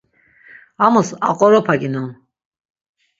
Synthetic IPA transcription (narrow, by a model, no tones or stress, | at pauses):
amɔsaqʼɔɾɔpʰaɡinɔn